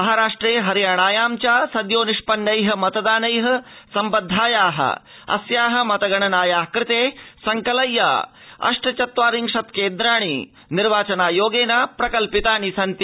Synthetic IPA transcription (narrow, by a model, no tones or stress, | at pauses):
mɐɦaɾaːʂʈɾeːɦɐɾjaːɽaːjaːmt͡ʃaːsɐd̪joːniʂpɐnːɐjɦɐ̆mɐt̪ɐd̪aːnɐjɦɐ̆sɐmpɐd̪ʱːaːjaːɦɐ̰ɐ̰sjaːɦɐ̆mɐt̪ɐɡɐɳɐnaːjaːkɾɪt̪eːsɐŋkɐlɐjːa̰ː | ɐ̰ʂʈɐt͡ʃɐt̪ʋaːɾiŋʂɐt̪keːnd̪ɾaːɽ̃iː | niɾʋaːt͡ʃɐnaːjoːɡeːnapɾɐkɐlpit̪aːnisɐnt̪ja